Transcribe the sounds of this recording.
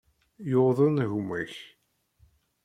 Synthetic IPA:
joðˤənɣmæç

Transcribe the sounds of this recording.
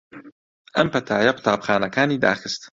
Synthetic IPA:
ʔɐmpɐt̪ʰaːjɐkʰʊ̥t̪ʰaːbxaːnɐkaːniːd̪a̰ːxɨst̪

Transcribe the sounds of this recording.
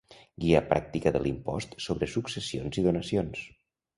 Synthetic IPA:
ɡiəpɾa̰k̚t̪ikəðəlimpɔst̪soβɾəsuksəsionziðunəsions

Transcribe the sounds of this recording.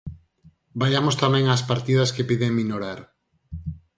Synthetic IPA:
baʎamost̪amɛ̃ŋaspaɾt̪iðɐskepiðeŋminoɾaɾ

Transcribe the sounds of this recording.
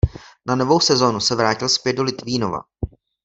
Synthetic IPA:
nano̞vo̞wsɛzo̞ːnusɛvɾaːcɪlspjɛd̪̚do̞lɪt̪viːno̞va̰

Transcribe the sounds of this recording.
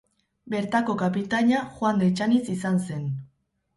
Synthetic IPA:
be̞ɾt̪ako̞kapit̪aɲaxwand̪et͡ʃanisisanse̞n

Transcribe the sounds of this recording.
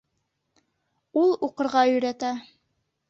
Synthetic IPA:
ulˠuqɤ̆ɾʁɑɵ̆jɾæt̪æ

